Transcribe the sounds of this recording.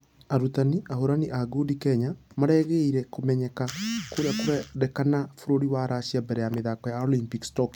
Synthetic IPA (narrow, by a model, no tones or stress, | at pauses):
aɾutaniʔahoɾaniʔaɡudikɛɲamaɾɛɣɛiɾɛkomɛɲɛkakoɾjakoɾɛɾɛkanafoɾoɾiwaɾaɕiabɛɾɛjameðakɔjaolimpikstɔk